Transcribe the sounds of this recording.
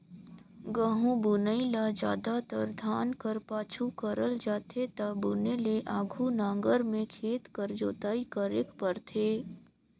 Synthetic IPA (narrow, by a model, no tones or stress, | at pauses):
ɡəɦũbʊnəilad͡ʒa̰ːd̪at̪əɾd̪ʱaːnkəɾpaːt͡ʃʰukəɾəld͡ʒaːt̪ʰet̪abʊneleʔaːɡʱunãːŋɡəɾmẽkʰeːt̪kəɾd͡ʒoːt̪aːikəɾekpəɾt̪ʰeː